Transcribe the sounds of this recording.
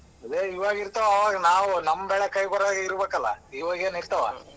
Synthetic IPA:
ɐd̪eːiʋaːɡiɾt̪ɐʋɐːʋaːɡɐnaːʋunɐmːɐbɛɭekɐjkɔɾaːɡeiɾubeːkɐlːɐ̰iːʋaːɡeːniɾt̪ɐʋa̰

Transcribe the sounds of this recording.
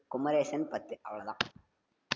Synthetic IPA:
kʊmɐɾeːsɐnpɐt̪ːɯʔɐ̰ʋɐɭɐðã̰ː

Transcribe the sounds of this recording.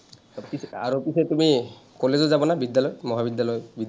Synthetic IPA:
pisaɾupiset̪umikɔlezozabɔnabid̪jalɔjmɔɦabid̪jalɔjbid̪

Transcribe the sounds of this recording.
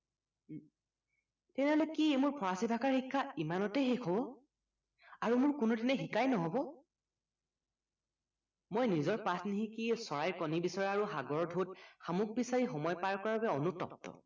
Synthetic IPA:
tɛnɛɦɔlekimʊɹpʰɔɹasibʱakaɹxikʰːaimanɔtɛjxekʰɔbɔ | aɹumʊɹkʊnudinɛxikajnɔɦɔbɔ | mojnizɔɹpatʰniɦĩkisɔɹajɹkɔnibisɔɹaɹuxaɡɔɹɔdʱot̚xamuɡ̚bisaɹixɔmɔjpaɹkɔɹababɛɔnutɔ̰p̚tɔ̰

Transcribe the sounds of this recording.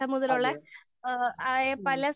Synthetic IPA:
ɐmuðɐloɭːe | epɐlɐs

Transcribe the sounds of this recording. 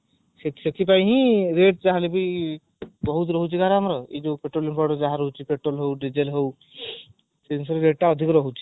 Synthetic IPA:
sesek̪ʰip̬aj̃ɦĩɾeʈ̚d͡ʒaɦalebi | bɔɦut̪ɾɔɦut͡ʃʰiɡʱaɾamɾɔid͡ʒopeʈɾolipɔɽɔd͡ʒaɦaɾɔɦut͡ʃʰipeʈɾolɦowɖid͡ʒelɦow | sensɔɾɾeɖ̚ʈaɔd̪ʱikɾɔɦut͡ʃʰi̥

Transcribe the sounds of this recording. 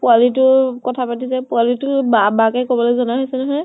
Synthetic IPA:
pualitʊkɔtʰapatis̬ɛpualitʊbabakɛkɔbɔlojzɔnaɦojsɛnɔɦɔj

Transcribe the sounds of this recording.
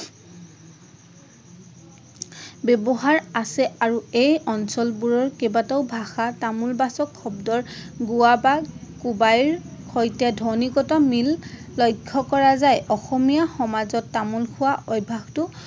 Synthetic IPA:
bebɔɦaɹasɛaɹuejɔnsɔlbuɹɔɹkebataʊbʱaxatamulbasɔkʰxɔbdɔɹɡuwabakubajɹxɔjtɛdʱɔnikɔtɔmilː | ɔjkʰːɔkɔɹazajʔɔxɔmijaxɔmazɔtːamulkʰʊwaʔɔjbʱaxtʊ

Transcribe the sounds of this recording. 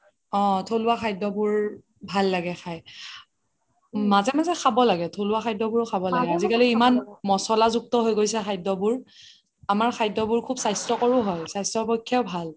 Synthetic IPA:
ɔ̃tʰolʊwaxʰajdɔbuɹ | bʱalːaɡɛxʰaj | mazɛmazɛxʰabɔlaɡɛtʰolʊwaxʰajdɔbuɹʊxʰabɔlaaɡɛazikaliimanmɔsɔlazuk̚tɔɦojɡojsɛxʰajdɔbuɹ | amaɹxʰajdɔbuɹkʰubsajstɔkɔɹuɦɔjsajstɔpɔjkʰːjaʊbʱal

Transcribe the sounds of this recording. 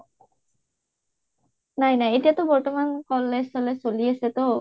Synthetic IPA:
najnajetijatɔbɔɹtɔmankɔlːɛsɔlɛsoliasɛtɔ

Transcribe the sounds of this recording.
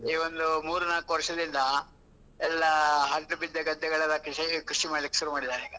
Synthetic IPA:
iːʋond̪umuːɾunaːkuʋɐɾʂɐd̪ind̪ɐ | ɛlːɐɦɐɭʈːubid̪jɐɡɐd̪ʱːɐɡɐɭɐlːɐkɾiʂɐkɾuʂimaːɖlikːe̥ʃuɾumaːɽid̪aːɾiːɡɐ

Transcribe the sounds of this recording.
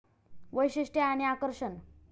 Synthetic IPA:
ʋəjɕiʂʈjaañiakəɾʂən

